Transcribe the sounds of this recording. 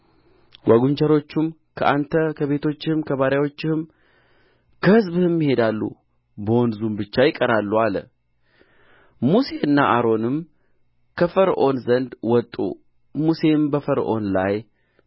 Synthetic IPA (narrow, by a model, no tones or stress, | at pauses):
ɡʷaɡuɲt͡ʃəɾo̞t͡ʃːum | kʰəʔant̪ʰəkʰəβe̞t̪ʰo̞t͡ʃːɪhmkʰəβaɾjawo̞t͡ʃːɪhɨm | kʰəhɨzbɨhɨmːihe̞d̪alːṵ | bəwɔnzumbɨt͡ʃːajɪkʼəɾalːualə̰ | muse̞ɨnːaʔaɾo̞nɨm | kʰəfəɾʔo̞nzənd̪wɔt̪ʼːṵ | muse̞mbəfəɾʔo̞nlaj